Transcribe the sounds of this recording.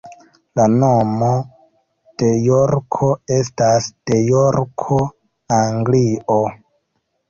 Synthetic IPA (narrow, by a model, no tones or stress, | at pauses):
lano̞mo | d̥e̞joɾkʰoe̞stasd̥e̞joɾkʰo | aŋɡlio